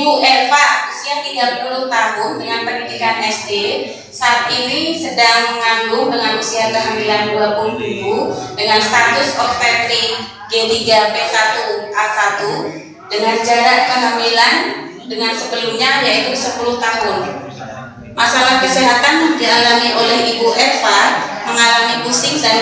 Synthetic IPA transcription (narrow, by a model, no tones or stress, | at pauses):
buʔɛfaʔsiɦaht̪iɡapuluht̪aɦʊndəŋanpəndidikanɛsde | saːt̪̚inisədaŋmŋaŋɡʊŋdəŋanməsiɦat̪̚kəɦamilanduapulutuludəŋanst̪at̪ʊsɔftɛt̪ɾi | ɡetiɡapesat̪ukasat̪u | dəŋand͡ʒaɾat̪̚kəɦamilan | dəŋansəpəluɲajait̪usəpuluht̪aɦʊn | masalahkəsiɦat̪andialamiʔolɛhibuʔɛfaməŋalamipusɪŋdal